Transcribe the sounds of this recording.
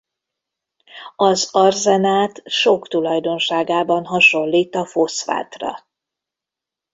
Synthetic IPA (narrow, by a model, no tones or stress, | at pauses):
ɒzɒrzɛnaːt̪ʃo̞kt̪ulɒjd̪o̞nʃaːɡaːbɒnɦɒʃo̞lliːt̪ɒfo̞sfa̰ːt̪rɒ̰